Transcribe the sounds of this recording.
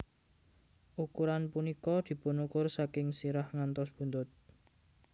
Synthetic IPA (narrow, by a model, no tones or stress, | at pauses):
ʔukuɾanpunikɔd̪̥i̤pʊnukʊrsakɪŋsiɾahŋant̪ɔsb̥ṳnt̪ʊt̪̚